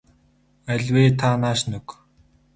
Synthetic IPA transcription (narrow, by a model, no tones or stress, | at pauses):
æɮʲweːt̪ʰanaːʃnɵk